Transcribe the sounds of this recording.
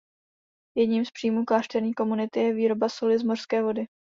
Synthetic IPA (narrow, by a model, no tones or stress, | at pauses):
jɛdɲiːmspr̥ijmuːklaːʃt̪ɛɾɲiːko̞munɪt̪ɪjɛviːɾo̞basolɪzmor̥skɛːvo̞dɪ